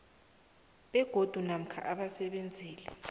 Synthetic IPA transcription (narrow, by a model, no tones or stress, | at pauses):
ɓɛɡ̥ʱod̥ʱunam̩kʰa̰ʔaɓasɛɓend͡zʱiːlɛ̰